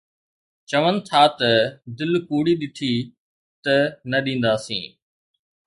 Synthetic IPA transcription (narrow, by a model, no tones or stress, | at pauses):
t͡ʃɐʋənɪ̆t̪ʰaːt̪ɐd̪ɪlkuːɽiɗɪʈʰiː | t̪ɐnɐɗĩːn̆d̪aːsḭ̃ː